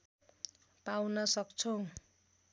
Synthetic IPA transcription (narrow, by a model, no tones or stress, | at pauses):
pawnʌsʌkt͡sʰʌw̃